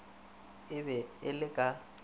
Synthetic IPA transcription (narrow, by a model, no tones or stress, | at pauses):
ɪbɛɪlɪkʼa